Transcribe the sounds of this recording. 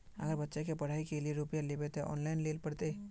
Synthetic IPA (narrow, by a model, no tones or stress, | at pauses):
ə̰ɡəɾbətːʃekepɐɽ̤aːikelijeɾupijaleːbet̪oʔɔ̰ːnlaɪnleːlpɐɽt̪e